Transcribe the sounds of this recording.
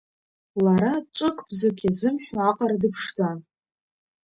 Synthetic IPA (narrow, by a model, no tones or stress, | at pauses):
laɾaʈ͡ʂʼɨkʼb̥zɨkʲʰʼazɨmħʷᶣaaqʼaɾadɨpʰʂdan